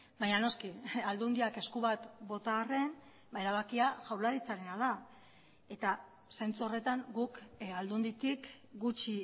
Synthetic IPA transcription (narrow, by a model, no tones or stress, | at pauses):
bajɲano̞skiald̪und̪iake̞skuβat̪bo̞t̪aːre̞n | bae̞ɾaβ̞akiaʝawlaɾit͡saɾenaða | e̞t̪a | sejnt͡suo̞re̞t̪aŋɡukald̪und̪it̪ik | ɡut͡ʃi